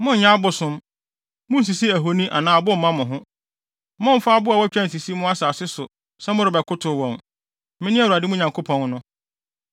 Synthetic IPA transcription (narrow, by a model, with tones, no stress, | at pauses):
mʊ̃˦ɲ̩˨ɲã˦bʊ˨sʊ̃˦m | mʊ̃˦n̩˨s̬i˨si˦æ˨ɦo˨nĩ˦ʔa̰˨nãː˨bʊ˦m̩˨mã˦mʊ̃˨ɦʊ̃˦ | mʊ̃˦m̩˦faː˦bʊ˦a˨wɔ˦t͡ɕᶣɛ̃˦n̩˨s̬i˨si˦mʊ̃˦a˦saː˨sɪ˦sʊ˨ | sɛ˦mʊ̃˦ɾɪ˨bɛ˨kʰʊ˦tʰʊ˨wɔ̃˨m | mɪ̃˦nɪ̃˦æ˦wu˨a˨dɪ˦mʊ̃˦ɲã˨ŋkʰo˦pʰɔ̃˨n˦nʊ̃˦